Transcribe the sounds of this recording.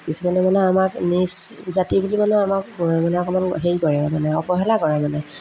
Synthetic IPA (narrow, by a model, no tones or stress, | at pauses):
kisumanɛmanɛamakniszatibulimanɛamakmanɛakɔmanɦejkɔɹɛmanɛɔpɔɦɛlakɔɹamanɛ